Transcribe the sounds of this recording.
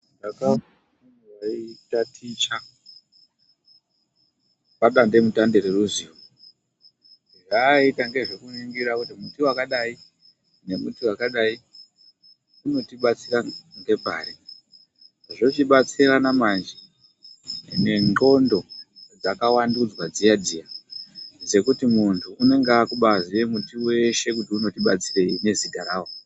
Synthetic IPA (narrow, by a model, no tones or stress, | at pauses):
ndakafa | niraitatʰit͡ʃa | paɗande̞mutandeɾeruziː | ʐaitaŋɡe̞ʐekuniŋɡiɾakutimutiwakaɗai | ne̞mutiwakaɗai | tino̞tiɓat͡siraŋɡe̞bʱa̰ːɾe | ʐo̞t͡ʃiɓat͡siranamand͡ʒi | ne̞ŋɡo̞ndo̞d͡zakawandud͡zwad͡ziadʱija | d͡ze̞kutimuntʰuːne̞ŋɡakuɓazije̞mutiwe̞ʃe̞kutiuno̞tiɓat͡sire̞ine̞ziɡʱaɾaːwo